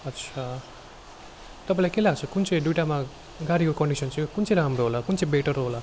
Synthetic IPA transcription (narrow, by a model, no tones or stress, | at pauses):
ʌt̪ːsʰa | t̪ʌpãĩlajkelaɡt͡sʰʌkunt͡sʰʌ̃j̃ɖjuʈama | ɡaɾikokʌɳɖisʌnt͡sʰʌ̃kunt͡sʰʌ̃iɾamroɦolakunt͡sʌ̃ĩbeʈʌɾoɦola